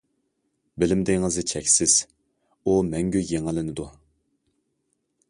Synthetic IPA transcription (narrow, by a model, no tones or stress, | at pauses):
bɪlɪmd̪ɪŋɨzɨt͡ʃʰɛkʲsɪz̥ | umɛŋɡʲyjeŋɪlɪnɪd̪u